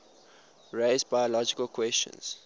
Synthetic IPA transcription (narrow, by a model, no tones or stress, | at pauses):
ɹeɪzbajəlɔd͡ʒikəlkʰwɛst͡ʃə̰̃nz̥